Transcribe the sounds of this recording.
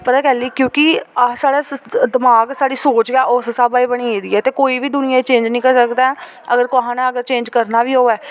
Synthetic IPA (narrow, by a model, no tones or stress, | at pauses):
pət̪aːkɛːliːkjõːkɪasaːɽaːd̪ɪmaːɡsaːɽiːsoːt͡ʃɡɛːʔossaːbaːiːbəɽ̃iːeːd̪iːɛːt̪eːkoːiːbiːd̪ʊnɪjãːiːt͡ʃẽːɲd͡ʒnĩːkəɾsəkd̪aːɛ̃ | əɡəɾkaːɦãːnãːəɡəɾt͡ʃẽːɲd͡ʒkəɾnaːbiːɦoːɛː